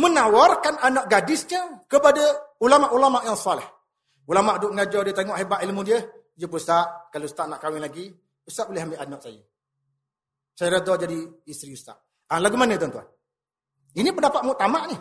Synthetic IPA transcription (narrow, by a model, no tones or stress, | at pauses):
mənawarkananaʔɡadɪsɲəkəpadəulamaʔulamaʔjasalɛh | ulamaʔdʊʔŋad͡ʒɔdiət̪eŋɔʔhebaʔ̪ilmudiə | jəpusaʔkalost̪aʔnaʔkawɪnlaɡi | pusat̪ʔ̚bolɛɦambeʔanɔʔsajə | sajaɾad̪ɔd͡ʒadiist̪ɾiust̪a̰ʔ | alaɡumanət̪ɔnt̪ua̰n | inipəndapat̪̚mut̪amaʔnɪh